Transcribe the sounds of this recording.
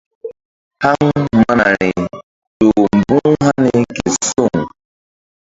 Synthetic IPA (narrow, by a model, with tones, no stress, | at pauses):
ha˦ŋ̩˦˨ma˦na˨ɾɪ˨ | do˨m̩˨bʊ˦ɦa˦nɪ˦ke˨sʊ˦˨ŋ̩˨